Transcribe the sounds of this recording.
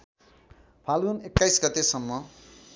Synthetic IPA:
pʰalɡunekːajsɡʌt̪esʌmːʌ

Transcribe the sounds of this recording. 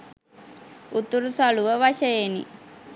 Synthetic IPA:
ut̪uɾusaluʋəʋaʃəjenḭ

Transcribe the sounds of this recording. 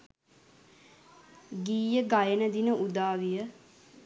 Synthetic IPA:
ɡiːjəɡajənəd̪inəʔud̪aːʋijə

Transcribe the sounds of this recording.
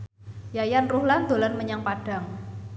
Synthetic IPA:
jajanruhland̪̥o̤lanməɲaŋpaɖ̥a̤ŋ

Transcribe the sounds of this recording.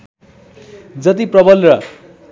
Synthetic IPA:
d͡zʌt̪̬iprʌbʌlrʌ

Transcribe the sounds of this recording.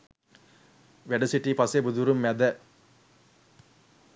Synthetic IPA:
ʋɛɖɐsiʈːipɐsebuðuɾɯmːɛd̪ɐ

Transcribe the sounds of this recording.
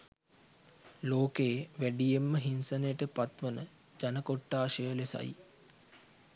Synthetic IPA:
loːkeːʋæɖijemːəɦinsənejʈəpat̪ʋənə | d͡ʒanəkoʈːaːʃəjəlesa̰j

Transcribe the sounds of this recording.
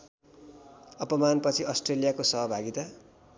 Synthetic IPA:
ʌpʌmanpʌt͡sʰiʌsʈrelijakosʌɦʌbʱaɡit̪a

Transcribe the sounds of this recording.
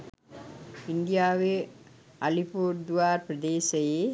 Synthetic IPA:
ɪnd̪ɪjaːʋe | ɐlipuːɾd̪uʋaːɾpɾɐd̪eːsɐjeː

